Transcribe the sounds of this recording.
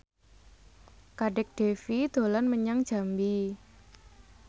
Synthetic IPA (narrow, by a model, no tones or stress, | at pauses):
kaɖɛk̚ɖ̥e̤fid̪̥o̤lanməɲaŋ̥ʒ̥a̤mbi